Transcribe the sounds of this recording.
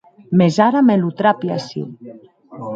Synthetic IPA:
mezaɾamelut̪ɾapia̰sḭ

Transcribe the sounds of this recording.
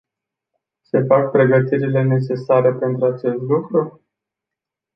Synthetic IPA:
se̞fak̚pɾe̞ɡət̪iɾile̞ne̞t͡ʃe̞saɾe̞pe̞nt̪ɾuat͡ʃe̞st̪lukɾu

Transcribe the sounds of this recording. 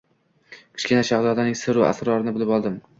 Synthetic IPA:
kʰɪ̥ʃkʲɪnaʃazɒd̪anɪŋsɪɾua̰sɾɒɾɪnɪbɪlɪpɒlˠd̪ɪm

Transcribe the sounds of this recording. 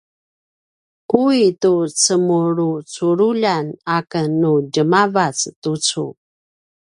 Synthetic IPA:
kuitut͡səmuɾut͡suɾuʎanakənːuɟəmavat͡stut͡sṵ

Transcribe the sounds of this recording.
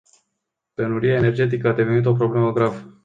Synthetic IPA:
p̪enuɾiae̞ne̞rd͡ʒe̞t̪̬ikəad̪e̞venit̪o̞p̬ɾo̞ble̞məɡɾavə

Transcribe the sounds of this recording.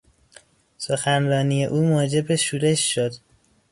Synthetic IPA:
so̞xænrɒːnije̞ʔuːmoːd͡ʒe̞beʃuːɾe̞ʃːod̪

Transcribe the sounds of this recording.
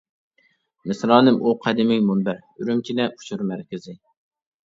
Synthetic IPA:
mɪsɾɑːnɪmʔuqʰɛd̪ɪmɪŋmunbæɾyɾymkʲʰinɛʔu̥t͡ʃʰuɾmæɾkʲɪzɪ

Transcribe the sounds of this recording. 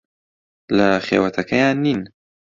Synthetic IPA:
laxḛwat̪ʰakajɑ̃nːin

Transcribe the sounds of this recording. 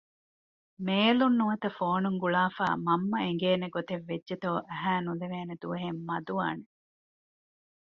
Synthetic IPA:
meːlunːuʋɐt̪ɐfoːnuŋɡuɭaːfa̰ːmɐmːɐeŋɡeːneɡot̪eʋːed͡ʒʒet̪oːʔæɦæːnuleʋeːned̪uʋɐɦemːɐd̪uʋa̰ːne

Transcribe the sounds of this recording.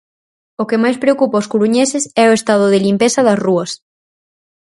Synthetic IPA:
okemajspɾeokupaoskuɾuɲesɪsɛoest̪að̞ʊðɪlimpesɐðɐsruɐs

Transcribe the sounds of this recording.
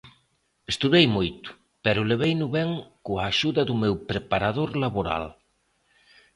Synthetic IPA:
est̪uðejmojt̪ʊ̥ | pɛɾʊleβejnʊβɛŋkʊaːʃuðɐðʊmewpɾepaɾaðoɾlaβoɾa̰l

